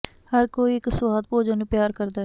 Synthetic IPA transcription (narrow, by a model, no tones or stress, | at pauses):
hɐɾkoːiekəswaːd̪̚poːd͡ʒonepjaːɾkɐɾd̪a